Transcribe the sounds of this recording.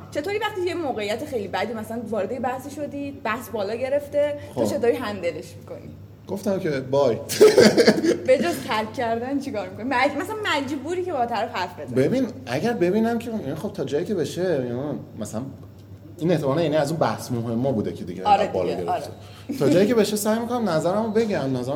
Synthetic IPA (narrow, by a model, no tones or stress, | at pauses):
t͡ʃʰe̞t̪oːɾiːvæχt̪ijemoːɣejæt̪ʰexejlibæd̪imæsælænvɒːɾed̪ejebæhsiʃod̪id̪̚bæhsbɒːlɒːɟe̞ɾe̞ft̪eɔt͡ʃʰe̞t̪oːɾiɦænd̪eleʃmi̥ko̞̰nḭ | ɡ̥oft̪æmcʰebɒj | be̞d͡ʒozt̪ʰæɾkʰːæɾd̪ænt͡ʃʰikɒːɾmikʰonimæmæsælænmæd͡ʒbuːɾiːcebɒt̪ʰæɾæfhæɾfbed̪bebinʔæ̰ɟæɾbe̞biːnæmcʰejænixo̞b̥̚t̪ʰɒːd͡ʒɒːjicʰe̞beʃejmæsælæn | ineht̪emɒːnɛjæniæzuːnbæhsmoɦemːɒːbuːd̪ecʰed̪ḭɟeɾebɒ̰ːl̰ːɡeɾɾ̰t̪e | t̪ʰɒːd͡ʒɒːjicʰe̞be̞ʃesæjmikʰonæmnæzæɾæmobe̞ɟæmnæzæɾ